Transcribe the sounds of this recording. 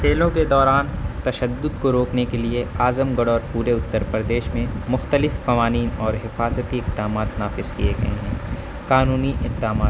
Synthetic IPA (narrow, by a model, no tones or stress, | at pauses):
kʰeːlõked̪ɔːɾaːnt̪ɐʃəd̪ːʊd̪koɾoːknekelieaːzəmɡɐɽɔːɾpuːɾeʊt̪ːəɾpɾəd̪eːʃmẽmʊxt̪əlɪfkɐʋaːniːnɔːɾɦɪfaːzət̪iɪq̚d̪aːmaːt̪naːfɪz̥kieɡɐ̰ɦḛɦɛ̰̃ː | kaːnuːniʔɪq̚d̪aːmaː